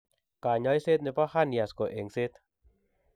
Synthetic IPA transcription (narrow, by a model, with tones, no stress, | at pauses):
kaː˨ɲɔ˧˦jse˦t̪̚ni˧pa˦ha˦˨ni˨a˨skɔ˨ʔe˨ŋse˦t̪̚